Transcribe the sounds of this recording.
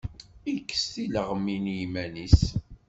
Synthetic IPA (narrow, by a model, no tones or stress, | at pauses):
ikːə̥stiləʁəminjimænis